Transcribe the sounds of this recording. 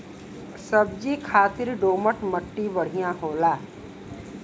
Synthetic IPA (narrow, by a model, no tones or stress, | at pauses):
səb̚d͡ʒiːkʰaːt̪ɪɾɖoːməʈməʈːibəɽ̤ijãɦoːlaː